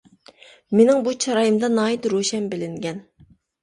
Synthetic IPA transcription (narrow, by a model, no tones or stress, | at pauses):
menɪŋbut͡ʃʰɑɾɑjɨmd̪ɑnɑːjit̪ɾoʃɛnbɪlɪŋɡʲɛn